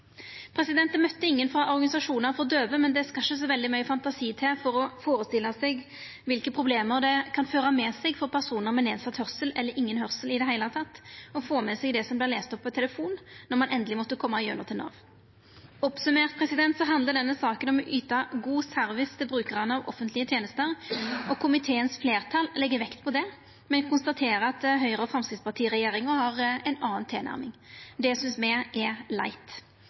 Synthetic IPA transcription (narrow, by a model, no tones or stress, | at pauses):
pʰɾɛsɪd̪ɛnt̪əmœt̪ːəɪŋːənfʁɑʔɔʁɡɑnɪsɑʂuːnəʁfɔʁɔd̪øːʋəmɛnd̪ɛskɑʃəs̬ɔʋɛld̪ɪmœʏəfɑnt̪ɑsiːt̪ʰɛfɔɾɔfoːɾəst̪ɪlːəsɛɡ | ʋɪlkəpʰɾʊbleːməʁd̪ɛkʰɑnføːɾɑmɛːsɛɡfɔʁpʰæʁsuːnəʁmɛneːd̪sɑt̪hœʁsəlɛlːəɾɪŋːənɦœʁsəlɪd̪ɛɦæɪlɑt̪ʰɑt̪ːɔfoːmɛsɛɡd̪ɛsɔmblɪʁleːst̪ɔpːɔt̪ʰɛləfuːnːɔʁmɑnʔɛnd̪əlɪmɔt̪ːəkʰɔmːɑɪjœ̰nəʁt̪ʰɪlɑ̰ːʋ | ɔpsʉmeːʁt̪̚pʰɾɛsɪd̪ɛnt̪sɔɦɑnd̪əɖ̪ɛnːəsɑːkənɔmʔyːt̪ɑɡuːsœɾʋɪst̪ʰɪlbɾʉːkəʁɑnəɑʋʔɔfːənt̪lɪət̪ʰjeːnəst̪əɾɔkʰʊmɪt̪ʰeːənsfleːʁt̪ʰɑllɛɡːəʋɛkt̪pʰɔd̪ɛ | mɛnkʊnst̪ɑt̪ʰeːɾəɑt̪̚d̪ɛɦœʏɾəɔfʁɑmskɾɪt̪spɑʁt̪ʰiːɾɛjeːɾɪŋəhɑɾɛnɑːnt̪ʰeːnæ̰ɾmɪŋd̪ɛjæɪsʏnsmɛɛlæ̰ɪt̪